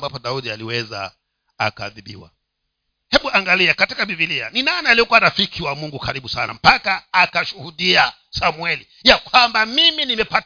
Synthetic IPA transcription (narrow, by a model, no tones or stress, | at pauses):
mbapɔɗauɗialiwɛza̰ | a̰kaːðiɓḭwa̰ | hɛɓuʔaŋɡaliakatikavivilia̰ninanaaliɔkuwaɾafikiwamuŋɡukaɾiɓusana̰m̩pakaːkaʃuhuɗia | samwɛli | jakwambamiminimɛpa